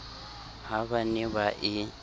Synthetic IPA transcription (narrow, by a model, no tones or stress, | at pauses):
ɦaβaniβaʔɪ